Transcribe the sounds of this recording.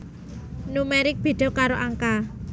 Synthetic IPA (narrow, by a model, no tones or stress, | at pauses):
numeɾɪk̚b̥e̤d̪̥ɔ̤kaɾoʔaŋka